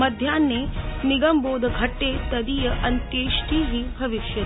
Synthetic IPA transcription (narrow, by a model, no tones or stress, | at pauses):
mɐd̪ʱjanːeniɡɐmboːd̪ʱɐɡʱɐʈːet̪ɐd̪iːjɐʔɐnt̪jeʃʈʰiːɦibʱɐʋiʃjɐ